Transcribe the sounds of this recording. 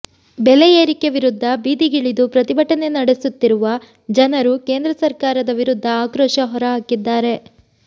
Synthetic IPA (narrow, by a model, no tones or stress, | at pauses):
bɛlejeːɾikeʋiɾud̪ʱːɐbiːd̪iɡiɭid̪upɾɐt̪ibʱɐʈːɐne̞nɐɽesut̪ːiɾuʋɐ | d͡ʒɐnɐɾuke̞ːnd̪ɾɐsɐɾkaːɾɐd̪ɐʋiɾud̪ʱːɐaːkɾoːʃɐɦɔɾɐɦaːkid̪ːaːɾe̞